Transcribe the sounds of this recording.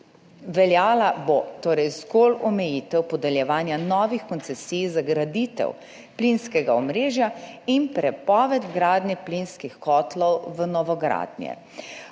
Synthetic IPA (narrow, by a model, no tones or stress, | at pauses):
ʋɛljaːlabot̪oːɾɛjzɡoːlɔmɛjiːt̪ɛwpɔd̪ɛljɛʋaːnjanɔːʋixkɔnt̪sɛsiːjzaɡɾad̪it̪ɛ̰w | plinskɛɡaɔmɾeːʒjaimpɾɛpɔːʋɛt̪ɡɾaːd̪njɛplinskixkɔːt̪lɔwʋənɔʋɔɡɾa̰ːd̪njɛ̰